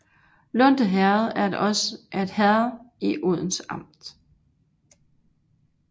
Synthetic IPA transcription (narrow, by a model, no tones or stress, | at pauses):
lɔn̰d̥əɦæɐð̩ˠæɐdʔɒ̽sed̥hæɐðˠiʔoð̞̰ˠn̩sɑ̈m̰d̥